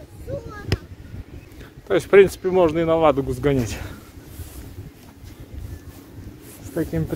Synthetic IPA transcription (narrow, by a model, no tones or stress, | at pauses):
t̪ojɪsʲfpɾʲint̪sɨ̥pʲɪmo̞ʐnəɪnɐvad̪ʊɡʊzɡɐnʲitʲ | st̪ɐkʲimp